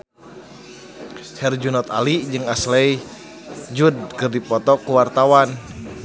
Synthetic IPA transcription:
hɛrd͡ʒunɔt̪alid͡ʒɨŋaslɛj | d͡ʒud̚kɨrdipɔt̪ɔkuwart̪awan

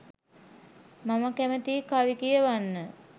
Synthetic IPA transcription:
maməkæmət̪iːkaʋikijəʋanːə

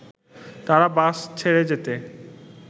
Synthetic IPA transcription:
t̪aɾabast͡ɕʰeɾed͡ʑet̪e

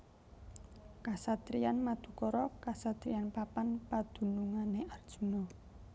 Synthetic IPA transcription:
kasat̪ɾianmad̪̥ṳkɔɾɔkasat̪ɾianpapanpad̪̥ṳnuŋaneʔard̥ʒ̥ṳnɔ

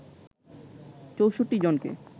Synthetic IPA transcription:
t͡ɕowʃoʈːid͡ʑonkḛ

